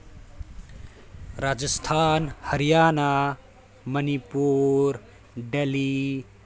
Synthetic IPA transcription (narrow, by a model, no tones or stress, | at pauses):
ɾad͡zəst̪ʰanhəɾijaːna | mənipuɾ | ɖeli